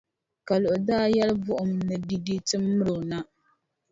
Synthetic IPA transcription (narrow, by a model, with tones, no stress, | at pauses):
ka˨lʊ˨ʔʊ˨daː˦˨jɛ˦lbʊ˦ʔʊ˨mnɨ˨di˦di˦tɨ˦mː˦ɨ˦ɾo˨na˦